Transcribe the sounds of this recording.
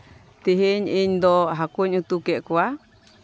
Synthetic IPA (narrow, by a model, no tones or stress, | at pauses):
t̪iɦiɲiɲd̪oɦakuɲũt̪ukeʔkua